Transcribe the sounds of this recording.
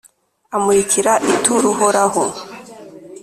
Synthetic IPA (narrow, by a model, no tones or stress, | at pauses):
amuicʰiɾaʔituɾuhoɾaho